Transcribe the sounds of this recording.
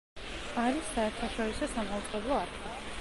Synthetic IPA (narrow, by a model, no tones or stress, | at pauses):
aɾisːaɛɾt̪ʰaʃɔɾisɔsamaut̪sʼqʼɛblˠɔaɾkʰi